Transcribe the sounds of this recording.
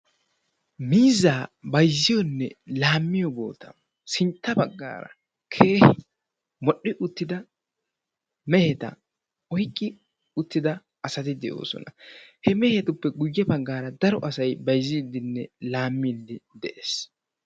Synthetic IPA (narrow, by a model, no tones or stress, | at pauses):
miːzːaːbɐjzːɪjɔnːɛlaːmːɪjɔbo̰ːt̪ɐ | sɪnt̪ːɐbɐɡːa̰ːɾɐ̰ | kʰe̞ːhɪ | mɔɗːɪʔʊt̪ːɪd̪ɐ | mɛhɛt̪ɐ̰ | ɔjkʼːɪ | ʊt̪ːɪd̪ɐ | ɐsɐt̪ɪd̪ɛʔo̞̰ːsɔ̰nɐhɛmɛhɛt̪ʊpːɛɡʊjːɛbɐɡːaːɾɐd̪ɐɾɔʔɐsɐjbɐjzːɪd̪ɪnːɛlaːmːilːɪd̪ɛʔeːs